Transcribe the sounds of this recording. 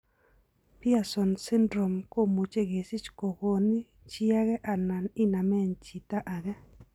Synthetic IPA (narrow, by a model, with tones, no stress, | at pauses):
pi˦a˨sɔ˨nsɪ˦ndɾo˨mko˦˨mu˨t͡ʃe˦ɡe˨si˦t͡ʃko˨ko˨ni˦ | t͡ʃi˦a˦ɡɛ˦ʔa˨na˨nɪ˦na˨mɛ˦˨nt͡ʃi˨ta˦ʔa˨ɡɛ˦